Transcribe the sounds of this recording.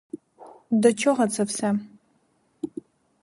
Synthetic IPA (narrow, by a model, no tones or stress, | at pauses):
dɐt͡ʃʰɐʁɐt͡sʰɐpsa